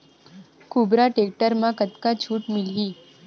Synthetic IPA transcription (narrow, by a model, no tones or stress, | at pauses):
kubɾaʈek̚ʈəɾmãkət̪kat͡ɕʰuːʈmiljiː